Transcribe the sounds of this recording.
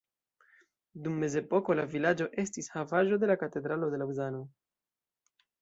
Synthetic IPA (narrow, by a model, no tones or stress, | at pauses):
dumːe̞ze̞po̞ko̞lavilad͡ʒo̞ʔe̞stishavaʒo̞d̪e̞lakate̞d̪ɾalo̞de̞lauzano̞